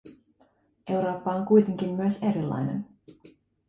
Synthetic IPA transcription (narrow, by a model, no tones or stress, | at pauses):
ʔe̞wɾo̞ːpːɑoŋkujt̪e̞ŋk̟imːyøse̞ɾilːɑ̰jne̞̰n